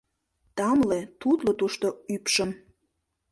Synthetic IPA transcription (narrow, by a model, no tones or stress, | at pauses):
t̪ɑmlet̪ut̪lot̪uʃt̪oypʃəm